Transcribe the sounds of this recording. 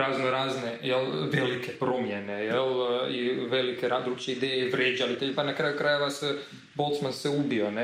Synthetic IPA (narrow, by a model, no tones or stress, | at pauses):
ɾaznoɾaːznejelʋelikepɾo̞mjene̞jeliʋe̞likeɾad̪ɾukt͡ʃeid̪eːjeʋɾjed͡ʒalit̪eʎpanakɾajukɾaːje̞ʋase | bo̞lt̪smanseubio̞ne